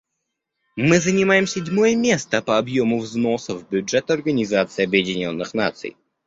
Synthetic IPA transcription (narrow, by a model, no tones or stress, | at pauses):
mɨzənʲɪmajɪmsʲɪdʲmojəmʲe̞st̪əpəɐbjomʊvznosəvbʲʊdʐɛt̪ɐrɡənʲɪzat̪sɨɪɐbjɪdʲɪnʲo̞nːɨxna̰t̪sɨ̰j